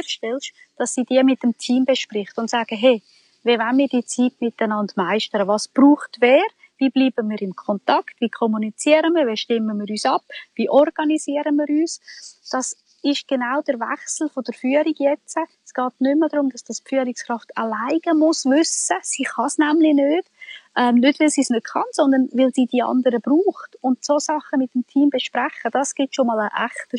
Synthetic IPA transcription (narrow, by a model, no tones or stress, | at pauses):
ʃtɛlʃ | d̥ɑsːiːd̥iəmɪtːəmtʰiːmbeʃprɪχtəʊntsaːɡ̥əɦɛ | vevanmiːd̥iːət͡siːtmɪtːənɑndmaɪʃtəɾəvɑsb̥ruːχtvɛːɾ | viːbliːb̥əmiːɾɪmkʰɔntɑktviːkʰɔmunit͡siəɾənmiːɾveʃtɪmːəmiːɾyːsɑpviːʔɔɾɡ̥ɑniziəɾənmiːɾyːsd̥ɑs | ɪʃɡ̥enaʊd̥əɾvɛ̰χsl̩ˠfod̥əɾfyːəɾiɡ̥jɛt͡sə | sɡ̥ɑːtnʏmːədɾʊmd̥ɑsd̥ɑspfyəɾikskɾɑftəlaɪɡ̥əmʊsvʏsəsiːχɑsnæmlɪnøːd̥ʔɛmnødvɪlsiːsnøtχɑnsɔnd̪ənʋɪlsiːd̥iɑ̰ndəɾəb̥ruːχtʊndsosɑχəmɪtːəmtʰiːmbeʃpɾɛχəd̥ɑsɡ̥ɪtʃomɑːləʔæχtə